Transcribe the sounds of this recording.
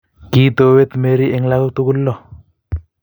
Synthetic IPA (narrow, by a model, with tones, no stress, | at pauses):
ki˦t̪o˨we˦t̪me˦ɾi˦e˦ŋla˦ku˦t̪u˦ku˦lːɔ˦˨